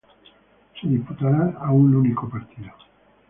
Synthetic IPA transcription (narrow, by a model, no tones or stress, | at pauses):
sid̪isput̪aɾaaunlunikopaɾt̪ʰiðo